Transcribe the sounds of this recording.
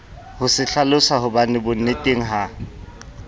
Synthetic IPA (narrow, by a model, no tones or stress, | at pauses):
hʊsɪɬalʊsaɦʊbanɪbʊn̩netʼeŋ̩ɦa